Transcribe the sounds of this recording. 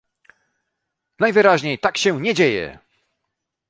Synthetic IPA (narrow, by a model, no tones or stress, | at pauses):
najvɘɾaʑɲejt̪akɕɛɲɛd͡ʑejɛ̰